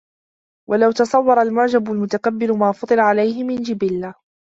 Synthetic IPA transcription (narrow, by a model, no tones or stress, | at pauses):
wʔalawt̪ɑsˤɑwːɑɾˤɑalmʊʕd͡ʒabʊlmʊt̪akabːɪɾʊmaːfɑt̪ˤɨlaʕalajhɪmɪnd͡ʒɪbɪlːa